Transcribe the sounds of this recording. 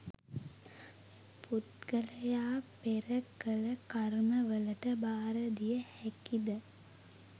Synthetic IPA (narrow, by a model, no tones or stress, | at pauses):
pʰut̪kəlɐjaːpeɾəkːələkaɾməʋəlɐʈəbaːɾəd̪ijəhɛkid̪ə